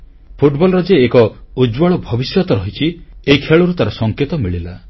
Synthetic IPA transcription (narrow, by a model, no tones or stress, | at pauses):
pʰuʈbɔlɾɔd͡ʒeːkɔud͡ʒwɔɭɔbʱɔbisjɔt̪ɔɾɔɦit͡ʃʰieikʰeɭɔɾut̪aɾɔsɔŋket̪ɔmiɭila